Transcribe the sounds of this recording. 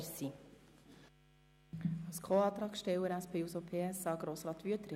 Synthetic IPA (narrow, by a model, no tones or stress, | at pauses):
ɾsi | ɑwskʰoːɑːt̪ɾɑːkʃtɛwəɾæspʰeːusopʰeːɛsɑːɡ̥ɾoːsɾɑːt̪ʋyət̪ɾɪ